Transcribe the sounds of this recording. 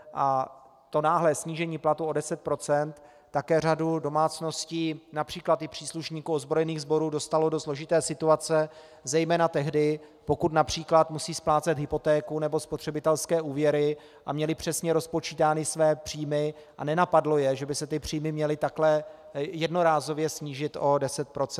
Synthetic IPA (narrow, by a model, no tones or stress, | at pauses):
ʔa | t̪o̞naːɦlɛːsɲiːʒɛɲiːplat̪uo̞dɛsɛt̪̚pɾo̞t͡sɛnt̪ː | akɛːr̝adudo̞maːt͡sno̞sciːnapr̥iːklat̪ɪpr̥iːsluʃɲiːkuozbɾo̞jɛniːɣzbo̞ɾuːdo̞st̪alo̞doslo̞ʒɪt̪ɛːsɪt̪uat͡sɛ | zɛjmɛːnat̪ɛɦdɪ | po̞kut̪napr̝̥iːklat̪musiːsplaːt͡sɛd̪ɦɪpo̞t̪ɛːkunɛbo̞spot̪r̥ɛbɪt̪ɛlskɛːʔuːvjɛɾɪ | ʔamɲɛlɪpr̝̥ɛsɲɛɾo̞spo̞t͡ʃiːt̪aːnɪsvɛːpr̥iːmɪʔa̰nɛnapadlo̞jɛʒɛbɪsɛt̪ɪpr̝̥iːmɪmɲɛlɪt̪aklɛjɛdno̞ɾaːzo̞vjɛsɲiːʒɪt̪ʔo̞dɛsɛt̪̚pɾot͡s